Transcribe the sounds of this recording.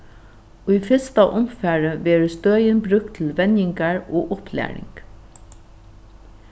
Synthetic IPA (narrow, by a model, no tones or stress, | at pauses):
ʊjfɪst̪aʔʊmfæːɹəʋɛːɹəst̪øːjɪnbɾʏk̚t̪ʰːɪlʋɛnjɪŋkaɹɔːʔʊhplæ̰ːɹɪ̰ŋk